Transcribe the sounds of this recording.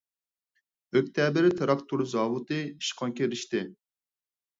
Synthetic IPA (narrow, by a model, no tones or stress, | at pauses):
økʲt̪ʰɛːbɪɾt̪ʰeɾɑkt̪ʰuɾzɑːwut̪ɨiʃqʰɑŋkʲeɾiʃt̪ɪ